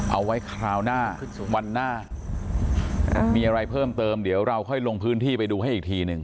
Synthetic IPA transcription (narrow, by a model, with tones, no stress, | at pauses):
ʔa˧wːa˦˥jkʰɾaː˧wnaː˥˩wa˧nːaː˥˩ | ʔa̰˨˩miː˧ʔa˧ɾa˧jpʰɤː˥˩mt̪ɤː˧mdi˩˦əwɾa˧wkʰɔ˥˩jlo˧ŋpʰɯː˦˥nt̪ʰiː˥˩pa˧jduː˧ɦa˥˩jʔiː˨˩k̚t̪ʰiː˧nɯ˧ŋ